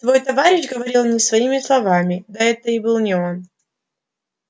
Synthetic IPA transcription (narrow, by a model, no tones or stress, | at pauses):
t̪vo̞jt̪ɐvaɾʲɪʃɡəvɐɾʲilˠmnʲɪsvɐimʲɪslˠɐvamʲɪd̪aɛt̪əɪbɨlˠnʲɪon